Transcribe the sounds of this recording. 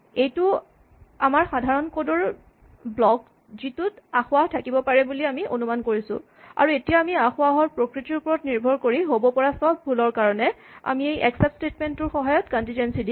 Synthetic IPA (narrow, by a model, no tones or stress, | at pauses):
ejtʊ | amaɹxadʱaɹɔnkodɔɹ | blɔk | zitutaxʊaɦtʰakibɔpaɹɛbuliamiʔo̰numankoɹisʊ̰̃ | a̰ɹuetijaːmiaxʊaɦɔɹpɹokɹitiɹupɔɹɔtniɹbʱɔɹkoɹiɦobɔpɔɹasɔb̚ʱbʱulɔɹkaɹɔnɛa̰miejʔɛ̰ksɛp̚stetmentʊɹxɔɦajɔtkɔntĩnd͡ʒensidi